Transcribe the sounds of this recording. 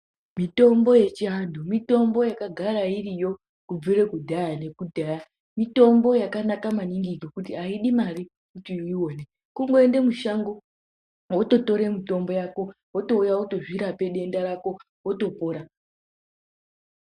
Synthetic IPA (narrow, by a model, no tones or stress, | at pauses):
mito̞mbo̞je̞t͡ʃiɦandumito̞mbo̞jakaɡʱaɾairijo̞ | kub͡viɾekudʱajane̞kudʱaːja | mito̞mbo̞jakanakamaniŋɡiɡʱokutiaiɗimaɾi | kutiiwone̞ | kuŋɡoende̞muʃaŋɡo̞ | woto̞to̞ɾe̞mito̞mbo̞jako̞ | woto̞ujaoto̞ʐiɾape̞ɗe̞ndaɾako̞ | woto̞poːɾa